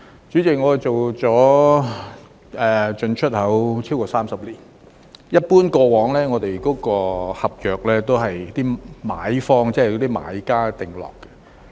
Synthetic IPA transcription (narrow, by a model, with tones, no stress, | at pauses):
t͡ʃy˨˥t͡sɪ˨k̚ŋɔ˨˧˨t͡so˨wt͡sɔː˨˥ | ʔɛ˨˧t͡ʃɵ˧nt͡ʃʰɵ˥t̚hɐ˨˥wt͡sʰiː˥wkɔː˧saː˥msɐ˨p̚liː˨˩n | jɐ˥t̚puː˥nkɔː˧wɔː˨˥ŋlɛː˥ŋɔː˨˧t̪e˨jkɔː˨˥kɔː˧hɐ˨p̚jœː˨˩k̚lɛː˥t̪o˥wɦɐ˨jt̪iː˥ma̰ː˨˥jfɔː˥ŋt͡sɛː˥˨jt̪iː˥ma̰ː˨˥jkaː˥t̪ɪ˨˩ŋlɔ̰ː˨˩kːɛ̥˧